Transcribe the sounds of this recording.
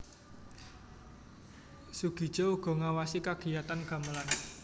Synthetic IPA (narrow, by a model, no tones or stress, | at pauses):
suɡ̥i̤d̥ʒ̥ɔuɡ̥ɔ̤ŋawasikaɡ̥i̤at̪anɡ̥a̤məlan